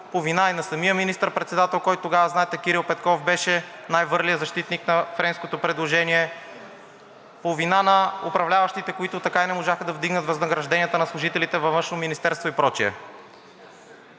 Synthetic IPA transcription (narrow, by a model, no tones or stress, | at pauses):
povinainɐsɐmiəminist̪əɾpɾɛt̪sɛd̪at̪ɛlˠkɔjt̪ʊt̪ːoɡavəznaɛt̪ɛkiɾilˠpɛt̪kɔfbɛʃɛnajvɤɾlijəzɐʃt̪it̪niknɐfɾɛnskot̪opɾɛd̪lˠoʒɛniɛ | povinanɐʊpɾɐvlʲavɐʃt̪it̪ɛkoit̪ʊt̪ɐkainɛmoʒaxəd̪ɐvd̪iɡnət̪vɐznɐɡɾɐʒd̪ɛniət̪ənɐslˠʊʒit̪ɛlit̪ɛvɐvɤnʃnominist̪ɛɾst̪voipɾɔt͡ʃiɛ̰